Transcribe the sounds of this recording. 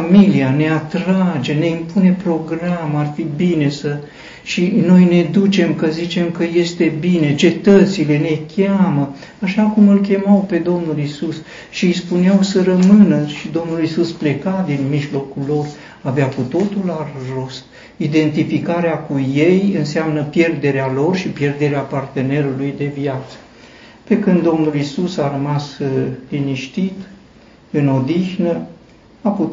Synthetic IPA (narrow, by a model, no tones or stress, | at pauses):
amiliane̞at̪ɾad͡ʒe̞ne̞impune̞pɾo̞ɡɾamarfibine̞sə | ʃino̞jne̞d̪ut͡ʃe̞mkəzit͡ʃe̞mkəje̞st̪e̞bine̞t͡ʃe̞t̪ət̪sile̞ne̞kʲamə | aʃakumɨlkʲe̞mawpe̞d̪o̞mnulisus | ʃispuneawsəɾəmɨnəʃid̪o̞mnulisusple̞kad̪inmiʒlo̞kullo̞r | aveakut̪o̞t̪ularro̞st̪ | id̪e̞nt̪ifikaɾeakuje̞jɨnseamnəpje̞rd̪e̞ɾealo̞rʃipjerd̪e̞ɾeapart̪e̞ne̞ɾulujd̪e̞vjat̪sə̥ | pe̞kɨnd̪ːo̞mnulisusaɾəmasliniʃt̪it̪ | ɨno̞d̪ixnə | apu